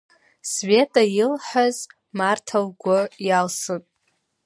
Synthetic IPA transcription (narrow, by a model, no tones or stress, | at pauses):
sve̞tʼajɪlħaz | martʰalɡʷʊjalsɨpʼ